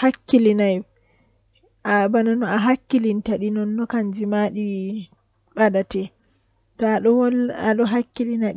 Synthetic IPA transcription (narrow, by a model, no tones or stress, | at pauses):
hakːilinaj | ʔabananɔaɦakːilintaɗinɔnːɔkand͡ʒimaɗi | ɓadatɛ | tɔaɗɔwla̰ɗɔɦakːilina